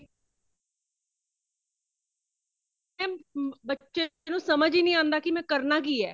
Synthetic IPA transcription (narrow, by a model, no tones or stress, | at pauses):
ɛ̃ːbətːʃenũːsəməd͡ʒiːnĩːãːnd̪aːkɪmɛ̃ːkəɾnaːkiːɛː